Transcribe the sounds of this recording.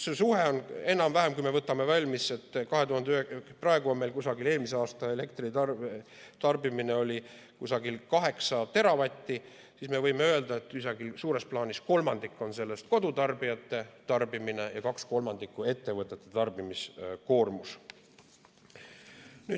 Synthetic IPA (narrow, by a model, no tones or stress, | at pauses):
sesuɦe̞o̞ne̞nɑmvæɦemkujme̞vɤt̪ːˑɑme̞vɑlʲmise̞t̪ːkɑɦe̞t̪uhɑnd̪yhekprɑe̞ɡ̥uo̞nme̞jlkusɑɡileːlmise̞ɑːst̪ɑe̞le̞kt̪riɑ | t̪ɑrbimine̞o̞lʲi | kusɑɡilkɑɦe̞ksɑt̪e̞ɾɑvɑt̪ʲːi | sisme̞vɤjmeø̞eld̪̥ɑe̞t̪ːisɑɡilsuːɾe̞splɑːnʲisko̞lmɑnd̪̥ikːˑo̞nse̞lːe̞st̪̚ko̞d̪ut̪ɑrbijɑt̪ːˑe̞t̪ɑrbimine̞jɑkɑksko̞lmɑnd̪̥ikːˑue̞t̪ːe̞vɤt̪ːˑet̪ːˑet̪ɑrb̥imisko̞ːrmus | ny̥ː